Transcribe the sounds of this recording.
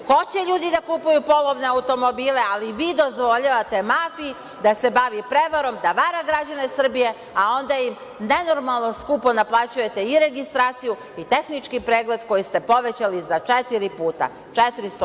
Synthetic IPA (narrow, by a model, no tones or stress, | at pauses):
xo̞t͡ɕeʎuːd̪id̪akuːpujupo̞lˠo̞ʋne̞aut̪o̞mo̞biːle̞aliʋiːd̪o̞zʋo̞ʎaʋat̪e̞maːfii | d̪ase̞baʋipɾe̞ʋaɾo̞md̪aʋaːɾaɡɾad͡ʑanesr̩bije̞ | ao̞nd̪ajim | ne̞no̞ɾmalˠno̞skupo̞naplˠaːt͡ɕuje̞t̪e̞iɾe̞ɡist̪ɾaːt̪siju | it̪e̞xnit͡ʃkipɾe̞ːɡle̞d̪ko̞jist̪e̞po̞ʋe̞t͡ɕalizat͡ʃet̪iɾipuːt̪a̰ | t͡ʃet̪ɾist̪o